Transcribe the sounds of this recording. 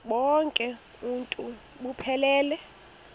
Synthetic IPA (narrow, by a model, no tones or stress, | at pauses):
ɓɔŋkʼɛ | untʼu | ɓupʰɛlɛːlɛ